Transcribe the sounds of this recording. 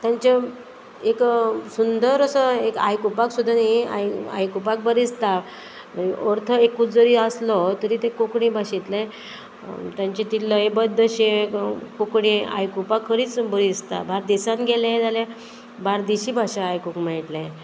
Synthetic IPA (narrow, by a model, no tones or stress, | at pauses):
t̪jãɲt͡ɕa | eksund̪əɾəsəeka̰jkupaksud̪ʱːanɦia̰ja̰jkupak̚bəɾist̪a | əniʔɔɾt̪ʰəekːut͡sd͡zəɾiəslɔt̪əɾit̪ẽkokɽĩbaɕit̪le | t̪jãɲt͡ɕet̪iləebəd̪ːəɕekokɽĩa̰jkupakʰːəɾiːt͡sbəɾist̪abaɾd̪isãnɡʱeled͡zalẽ | baɾd̪iɕiːbʱaɕaːjkukmaiʈle